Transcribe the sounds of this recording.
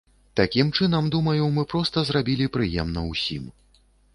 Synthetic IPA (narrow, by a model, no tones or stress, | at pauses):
t̪akʲimt͡ʂɨnɐmd̪umɐjumɨpɾɔst̪ɐzrabʲilʲipɾɨjɛ̰mnɐwsʲḭm